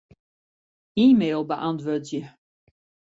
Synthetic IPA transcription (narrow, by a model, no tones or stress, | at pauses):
iːmeːlˠbəʔɑntʋøtjə